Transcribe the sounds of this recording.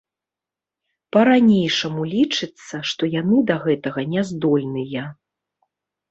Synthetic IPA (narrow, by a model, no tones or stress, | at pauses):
pɐɾanʲejʂɐmulʲit͡ʂɨt̪sːɐʂt̪ɔjanɨd̪ɐɣɛt̪ɐɣɐnʲɛzd̪ɔlʲnɨjɐ